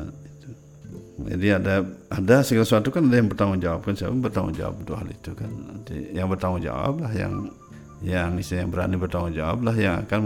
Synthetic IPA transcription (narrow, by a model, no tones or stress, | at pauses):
it̪u | d͡ʒa̰diadaadasəɡalasuat̪ukanadajaŋbərt̪aŋud͡ʒawap̚kansaja̰pʊŋbərt̪aŋṵd͡ʒa̰wa̰p̚d̪uaɦa̰lḭt̪ukant̪ḭjaŋbərt̪aŋud͡ʒa̰wa̰p̚lahja̰ŋ | jaŋisijaŋbəɾa̰nibərt̪aŋud͡ʒa̰wa̰p̚lahjaŋa̰kan